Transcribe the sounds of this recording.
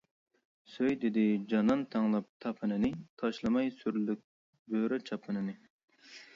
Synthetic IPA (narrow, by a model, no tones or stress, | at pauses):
søjd̪ɪd̪ɪd͡ʒɑnɑnt̪ʰɑŋlˠɑp̚t̪ʰɑpʰɨnɨnɨt̪ʰɑʃlˠɨmɑjsyɾlyk̚ʲ | bøɾɛt͡ʃʰɑpʰɨnɨnɨ